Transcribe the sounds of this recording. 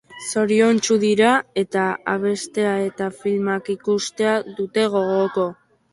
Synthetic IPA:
so̞ɾio̞nt͡ʃuðiɾae̞t̪aa̰β̞e̞st̪e̞ae̞t̪afilmakikust̪e̞aðut̪e̞ɣ̞o̞ɣo̞ko̞

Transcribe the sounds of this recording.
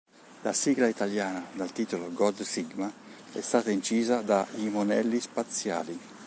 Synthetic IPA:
lasiɡlait̪aljaːnad̪alt̪iːt̪oloɡɔd̪siɡma | ɛ̰st̪aːt̪aint͡ʃiːzad̪aimonɛlːispat̪sja̰ːli

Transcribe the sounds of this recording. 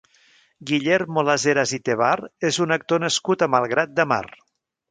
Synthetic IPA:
ɡiʎermolazeɾazit̪eβaɾezunək̚t̪onəskut̪əmalˠɣɾat̪̚d̪əma̰r

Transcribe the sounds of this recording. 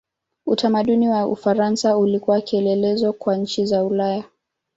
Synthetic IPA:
utʰamaɗuniwaṵfaɾansaulikuwakiɛlɛlɛzɔkwaɲ̩t͡ʃizaulaja

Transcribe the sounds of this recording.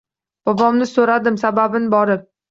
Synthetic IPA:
b̥ɒbɒmnɪsoɾad̪ɪmsababɪnɪbɒɾɪp̚

